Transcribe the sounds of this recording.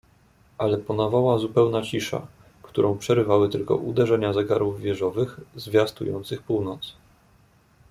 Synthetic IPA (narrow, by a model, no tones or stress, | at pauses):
ʔalɛpɔnavawazupɛwnat͡ɕiʂa̰ | kt̪uɾʔɔ̃w̃pʂɛɾɘvawɘt̪ɘlkɔ̰ʔud̪ɛʐɛɲazɛɡaɾuvːʲjɛʐɔvɘxzvʲjast̪ujɔ̰nt̪sɘxpuwnɔt̪s